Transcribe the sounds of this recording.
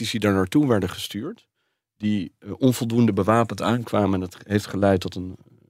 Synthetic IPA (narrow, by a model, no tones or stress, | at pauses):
isdidaːɹnaːɹtuʋɛɹdəχəstyːɹt | d̥iʔɔnvɔlˠdundəbəʋaːpəntaːnkʋaːməɛnətɦejftχəlɛjtːɔtən